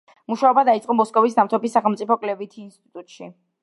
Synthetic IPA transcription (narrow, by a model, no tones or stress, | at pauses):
muʃaɔbad̪ait̪sʼqʼɔmɔskʼɔvisnamt̪ʰɔbisːaχɛlˠmt̪sʼipʰɔkʼlɛvit̪ʰiːnst̪ʼit̪ʼut̪ʼʃi